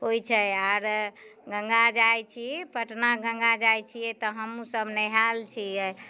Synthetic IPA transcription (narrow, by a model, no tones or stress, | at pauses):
ɦojt͡ʃʰɛjaɾɡəŋɡad͡ʒajt͡ʃʰipəʈnaɡə̃ŋɡad͡ʒajt͡ʃʰijɛt̪ɔɦəmusəbnɛɦalt͡ʃʰiɛ